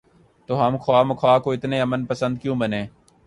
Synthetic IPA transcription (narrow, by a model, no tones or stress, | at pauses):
t̪oːɦəmkʰwaːməkʰoaːkoːɪt̪neːɐmənpəsə̃nd̪̚kjũːbənẽː